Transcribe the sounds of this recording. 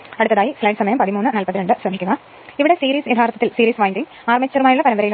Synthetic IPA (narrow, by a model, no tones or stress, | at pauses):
ɐɽɨt̪ːɐðaːjislɐːɖsɐmɐjɐmpɐðimuːnːɨnɐlpɐðiɾeɳɖɨsrɐmʱikʲːuɣɐ | iʋiɽesiːɾiːsjɐd̪ʱaːɾt̪ːɐt̪ːilsiːɾiːsʋaːjnd̪iŋ | aːrmɐt͡ɕːɐɾɐmaːjuɭːɐpɐnɐʋɐɾɐjil